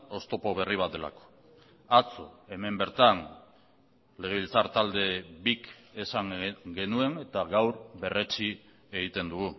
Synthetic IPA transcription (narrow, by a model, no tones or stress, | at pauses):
o̞st̪o̞po̞β̞e̞riβ̞at̪̚d̪e̞la̰ko̥ | at͡so̞e̞me̞mbe̞ɾt̪an | le̞ɣ̞e̞βilt͡saɾt̪ald̪e̞bikesaŋɡe̞nue̞ŋe̞t̪aɣawɾβe̞re̞t͡si | e̞ɣ̞it̪e̞nd̪uɣu